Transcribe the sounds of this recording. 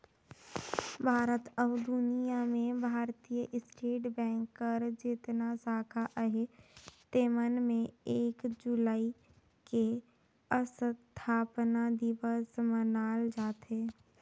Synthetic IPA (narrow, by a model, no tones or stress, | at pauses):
bʱaːɾət̪əʋd̪ʊnijamẽbʱaːɾt̪ijəʔɪsʈeːʈbɛ̃ːŋkːəɾd͡ʒɪt̪nasaːkʰaʔəɦet̪eːmənmẽeːkd͡ʒʊlaːi | ke | əst̪ʰaːpnad̪ɪʋəsmənaːld͡ʒaːt̪ɦeː